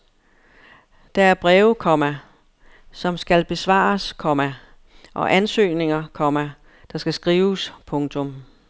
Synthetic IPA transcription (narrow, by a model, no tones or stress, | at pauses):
d̥ɑ̈æɐb̥ʁɛːʊkʰɒ̽mæ | sɒ̽msɡ̥ælb̥e̝sʋɑ̰̈ːskʰɒ̽mæ | ʔɒ̽ʔænsø̰ːne̝ŋɐkʰɒ̽mæ | d̥ɑ̈sɡ̥æsɡ̥ʁiːʊspʰɔ̽ŋt͡sʰɔm